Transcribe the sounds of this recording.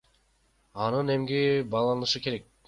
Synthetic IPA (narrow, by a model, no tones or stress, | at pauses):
ɑnɯne̞mɡibɑːlˠɑɯʃɯke̞ɾek̚